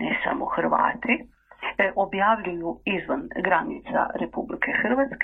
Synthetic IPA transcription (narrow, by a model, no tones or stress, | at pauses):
nesa̰moxr̩ʋa̰ːt̪i | ʔo̞bjaːʋʎujuizʋanɡɾanḭt̪sa̰ɾepublikʰexr̩ʋat̪sk